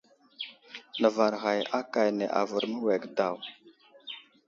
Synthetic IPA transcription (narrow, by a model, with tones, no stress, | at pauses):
nə˨va˨ɾɣa˨ja˦ka˨jne˨ʔa̰˨və˨ɾmə˦we˨ɡda˨w